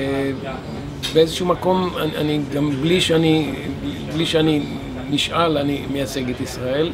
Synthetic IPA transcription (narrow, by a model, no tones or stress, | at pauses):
beezeʃumako̞maa̰niɡambliʃeaniibliʃeani | niʃalanimejat͡se̞ɡet̪isʁae̞l